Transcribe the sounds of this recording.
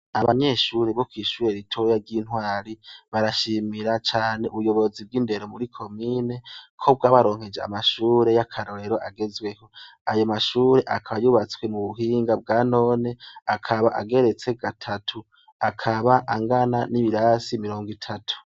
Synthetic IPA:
aβaɲe̞ʃuːɾe̞βokwiːʃuːɾe̞ɾitʰo̞jaɾɟiːn̥hwaːɾiβaɾaʃimiɾat͡ʃaːne̞ʔuβujo̞βo̞zib̚ɡiːnde̞ɾomuɾikʰo̞miːne̞kʰo̞b̚ɡaːβaɾo̞ːŋ̥he̞d͡ʒea̰maʃuːɾe̞jakʰaɾo̞ɾe̞ɾoʔaɡe̞zwe̞ho̞ajomaʃuːɾe̞ʔakʰaβajuːβat͡swe̞muβuɦiːŋɡab̚ɡaːno̞ːne̞akʰaβaʔa̰ɡe̞ɾe̞t͡se̞ɡatʰatʰu | akʰaβaʔaŋɡananiβiɾasimiɾo̞ːŋɡitʰatʰu̥

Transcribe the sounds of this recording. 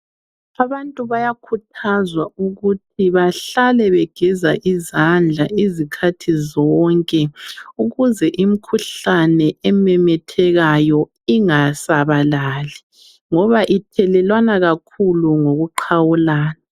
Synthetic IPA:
aβantʼuβajakʰutʰazwauɣutʰiβaɬalɛβɛɡ̥ʱɛzaʔizand͡ɮʱaizikʰatʰizɔŋkʼɛuɣuzɛʔim̩kʰuɬanɛɛmɛmɛtʰɛɣajɔ | iŋasaβalaːli | ŋɔβaʔitʰɛlɛlwanaɣakʰuluŋoɣuǃʰawulaːna

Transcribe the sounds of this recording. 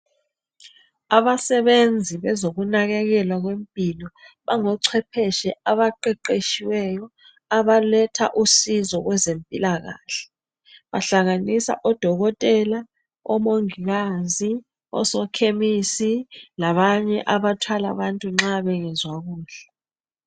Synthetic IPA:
aβasɛβend͡zʱiβɛzoɣunaɣɛɣɛlwaɣwempʼilɔβaŋɔǀʰɛpʰɛʃɛaβaǃɛǃeʃiwɛjɔ | aβalɛtʰa̰ʔusizɔɣwɛzempʼilaɣa̰ːɬɛ̥ | βaɬaŋanisa̰ʔɔd̥ʱɔɣɔtʼɛla | ɔ̰moŋiɣaːzi | ɔ̰sɔkʰemisilaβaɲɛʔaβatʰwala̰βantʼuŋ͡ǁaβɛŋɛzwaɣuːɬa

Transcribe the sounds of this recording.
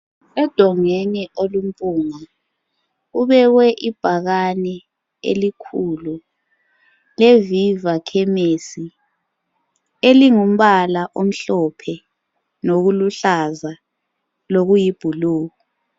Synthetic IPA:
ɛd̥ʱɔŋɛnɛʔolum̩pʼuːŋa | uβɛɣwɛʔib̥ʱaɣanɛ | ḛlikʰulu | levivakʰɛmesi | eliŋum̩ɓalaʔom̩ɬɔpʰɛ | noɣuluɬaza | loɣujib̥ʱuluːɣɔ

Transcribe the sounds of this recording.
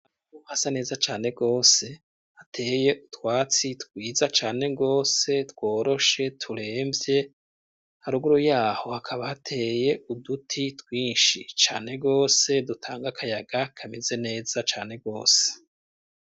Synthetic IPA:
a | uhasane̞ːzat͡ʃaːne̞ɡo̞ːse̞ | hatʰe̞ːje̞ʔutwaːt͡sitkwiːzat͡ʃaːne̞ɡo̞ːse̞two̞ːɾo̞ʃe̞tʰuɾe̞ːmbje̞ | haɾuɡuɾojaːho̞hakʰaβahatʰe̞je̞udutʰitwiːnʃit͡ʃa̰ːne̞ɡo̞ːse̞dutʰaːŋɡakʰajaɡ̥akʰamize̞ne̞ːz̥at͡ʃaːne̞ɡo̞ːse̥

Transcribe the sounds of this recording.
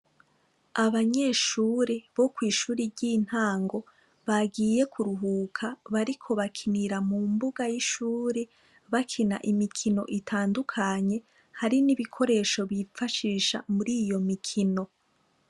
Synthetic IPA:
aβaɲeːʃuːɾeβo̞kwiːʃuːɾiɟin̥haːŋɡo̞ | βaɡiːje̞kʰuɾuɦuːkʰaβaɾikʰo̞βakʰiniɾamumbuɡajiʃuːɾe | βakʰina̰ʔimikʰino̞̰ʔitʰaːndukʰaɲe̞ | haɾiniβikʰo̞ɾe̞ʃo̞βifaʃiːʃa̰muɾiːjo̞mikʰino̞

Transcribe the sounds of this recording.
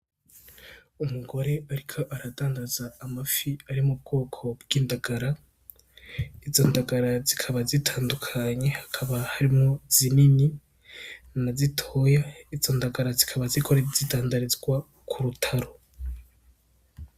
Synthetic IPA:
umuɡo̞ɾe̞aɾikʰo̞ʔaɾadaːndazaːmafiaɾimub̚ɡo̞ːkʰo̞bɡiːndaɡ̥aɾa | izo̞ndaɡaɾazikʰaβazitʰaːndukʰaɲe̞hḁkʰaβahaɾimŋo̞zinini | nazitʰojaizo̞ndaɡaɾazikʰaβazikʰoɾezidaːndaɾizɡwa | kʰuɾutʰaɾo

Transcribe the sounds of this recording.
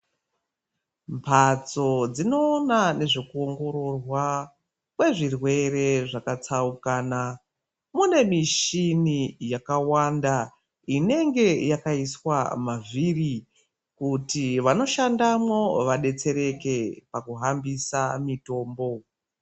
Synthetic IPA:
mpʰat͡so̞d͡zino̞ːnane̞ʐekuoŋɡo̞ɾo̞rwa | kwe̞ʐirwe̞re̞ʐakat͡saukaːna | mune̞miʃinijakawanda | ine̞ŋɡe̞jakaiswamaviri | kutiʋano̞ʃandamwo̞ʋaɗe̞t͡se̞ɾe̞ke̞pakuɦambisamito̞ːmbo̞

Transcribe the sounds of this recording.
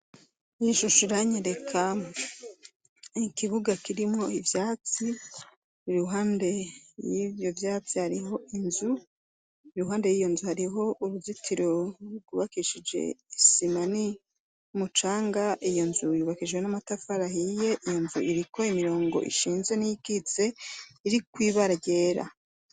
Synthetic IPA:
iʃuʃiɾaɲeɾe̞kʰa | ikiβuɡakiɾimŋo̞ivjaːt͡si | iɾuɦaːnde̞jivjo̞vjaːt͡sihaɾiɦo̞ʔinzu | iɾuɦaːnde̞jijo̞nzuhaɾiɦo̞ʔuɾuzitʰiɾoɡuβakiʃid͡ʒe̞̰isimani | umut͡ʃaːŋɡaʔijo̞nzujuβakid͡ʒɡwe̞namatafaɾahije̞ʔijo̞nzuʔiɾiko̞imiɾo̞ːŋɡo̞̰ʔḭʃiːnze̞nijikit͡se̞iɾikwiːβaɾaɟe̞ːɾa̰

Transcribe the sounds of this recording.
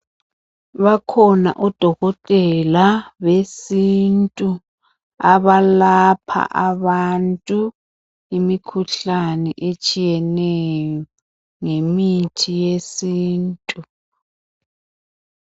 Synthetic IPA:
βakʰɔna̰ʔɔd̥ʱɔɣɔtʼɛlaβesintʼu | aβalapʰa̰ʔaβantʼu | imikʰuɬanɛʔet͡ʃʼijɛnɛjjɔ | ŋemitʰijesiːntʼu

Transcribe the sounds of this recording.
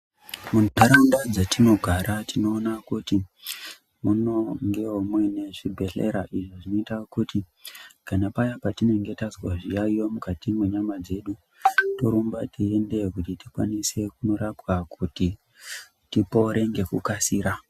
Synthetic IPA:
munaɾandad͡zatino̞ɡʱaɾatino̞ːnakuti | muno̞ŋɡeomweneʐibʱe̞ɬḛɾaʔiʐo̞ʐino̞itakuti | kanapajapatine̞ŋɡe̞tazwaʐijaijo̞mukatimwe̞ɲamad͡ze̞ɗu | to̞ɾumbatie̞nde̞kutitikwa̰nise̞kuno̞ɾapwakuti | tipo̞ɾe̞ŋɡe̞kukasiːɾa

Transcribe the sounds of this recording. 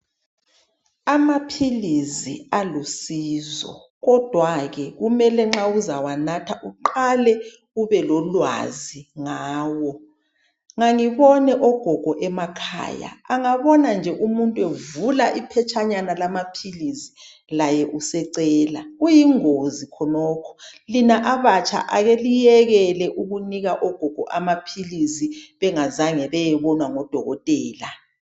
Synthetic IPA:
amapʰilizialusiːzɔ̰ | ɣɔd̥ʱwaɣɛɣumɛlɛŋ͡ǁauzawanatʰaʔuǃalɛ | uβɛlɔlwa̰ziŋaːwɔ | ŋaŋiβɔnɛʔɔɡ̥ʱɔɡ̥ʱɔʔɛmakʰa̰ːja̰aŋaβɔnand͡ʒʱɛʔumuntʼuevulaʔipʰɛt͡ʃʰʼaɲanalamapʰilisi̥ | lajɛʔusɛǀɛːlaɣujiŋozikʰɔnɔːkʰɔ̥linaʔaβat͡ʃʰʼa̰ʔaɣelijɛɣɛlɛʔuɣuniɣaʔɔɡ̥ʱɔɡ̥ʱɔʔamapʰiliziβɛŋazaŋɛβɛjɛβɔnwaŋɔd̥ʱɔ̰ɣɔ̰tʼɛːla

